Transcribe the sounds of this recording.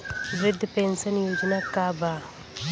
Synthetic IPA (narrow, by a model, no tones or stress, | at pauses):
ʋɾɪd̪ʱːpensənjoːd͡ʒnakaːbaː